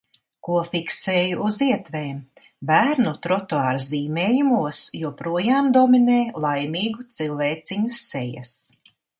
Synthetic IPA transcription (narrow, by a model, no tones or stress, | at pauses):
kuɔfikseːjuuziɛt̪veːm | bæːɾnut̪ɾɔt̪oaːɾziːmeːjumuɔsjuɔpɾuɔjaːmd̪ɔmineːlˠajmiːɡut̪silˠveːt̪sʲiɲuseja̰s